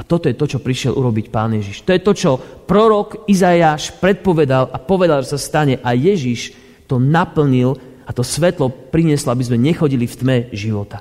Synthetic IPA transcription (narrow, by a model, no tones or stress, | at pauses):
at̪ɔt̪ɔjɛt̪ɔt͡ʃɔpɾiʃɪɛlʔuɾɔbicpaːnjɛʒiʃt̪ɔjɛt̪ɔt͡ʃɔpɾɔɾɔkizajaːʃpɾɛt̪̚pɔʋɛd̪alʔapɔʋɛd̪alˠʒɛsast̪aɲɛʔajɛʒiʃ | t̪ɔnapl̩ɲil | at̪ɔsʋɛt̪lɔpɾiɲɪɛslɔabizmɛɲɛxɔɟilift̪mɛʒiʋɔt̪a